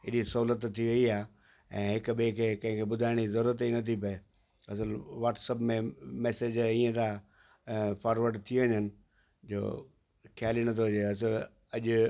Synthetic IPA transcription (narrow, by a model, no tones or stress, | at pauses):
ɪɗisɐɦuːlət̪ʰːiʋɐiaː | ɛ̃ːɦɪkɓekʰeːkɐ̃ɦɪ̃kʰebʊd̪ʱaːɪɽ̃iizɐɾuːɾət̪inɐt̪ʰipɐe | ɐs̬əlʋaːʈsəpmẽmɛːsed͡ʑĩːə̃d̪ã | pʰaːɾʋəɾɖt̪ʰiʋɐɲənɪ̆ | d͡ʑo̰ː | kʰjaːlinɐt̪ʰoʊd͡ʑeɐs̬əl | ɐʄ